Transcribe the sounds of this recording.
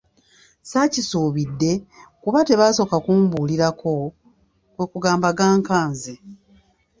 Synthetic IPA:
sacisuːβidːe̞kuβate̞βaːso̞kakuːmbuːliɾakʰo̞ | kwe̞kuɡaːmbaɡaːŋkaːnze

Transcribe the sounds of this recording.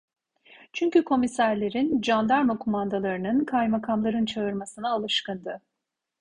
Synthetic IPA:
t͡ʃʰyɲcykʰo̞misæɾlʲe̞ɾind͡ʒand̪aɾmakʰomand̪alˠaɾɯnɯnkʰajmakʰamlˠaɾɯnt͡ʃʰaɯɾmasɯnaːlˠɯʃkɯnd̪ɯ

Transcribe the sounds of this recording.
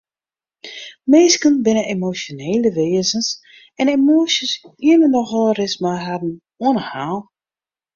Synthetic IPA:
meːskənbɪnəemosjoneːləʋeːəzəns | ɛnemoːsəsiənənɔxɔlˠərɪsmaɦadn̩ | oənəhaːlˠ

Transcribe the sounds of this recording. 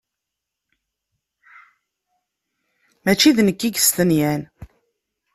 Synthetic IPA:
mæt͡ʃːiðnəkːiɡəst̪ənjæn

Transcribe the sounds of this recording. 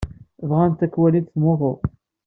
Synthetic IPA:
vʁænt̪ækːwæliθθmʊðˤo

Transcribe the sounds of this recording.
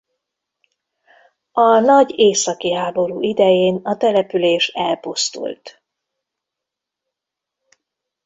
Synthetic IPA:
ɒnɒɟeːsɒkiɦaːbo̞ɾuːʔid̪ɛjeːnɒt̪ɛlɛpyleːʃɛlpust̪ṵlt̪

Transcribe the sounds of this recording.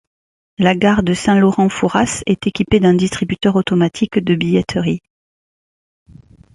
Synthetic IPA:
laɡaʁd̪əsɛ̃lɔʁɑ̃fuʁasɛt̪ekʲiped̪ɛ̃d̪ist̪χibyt̪œʁot̪ɔmat̪ʰikd̪əbijɛt̪ʰəʁi

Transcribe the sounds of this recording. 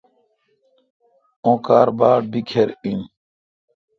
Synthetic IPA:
õːkaːɾbaːɽ̚bikʰeɾin

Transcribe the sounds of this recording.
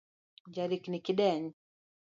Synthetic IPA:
d͡ʒaɾiknikiɗɛɲi

